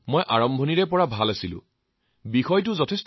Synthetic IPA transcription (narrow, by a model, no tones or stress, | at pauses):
mojʔaɹɔmbʱɔniɹɛpɔɹabʱalasilʊ̰̃ | bixɔjtʊzɔtʰest